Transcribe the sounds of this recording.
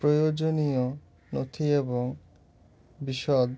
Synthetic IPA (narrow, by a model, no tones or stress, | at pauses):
ɾojod͡ʒonio | no̰t̪ʰieboŋ | biʃɔd̪